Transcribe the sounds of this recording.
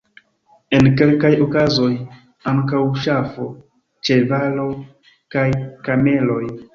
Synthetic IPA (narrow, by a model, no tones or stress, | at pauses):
e̞nke̞lkajo̞kazo̞j | aŋkawʃafo̞ | t͡ʃe̞valo̞ | kajkame̞lo̞j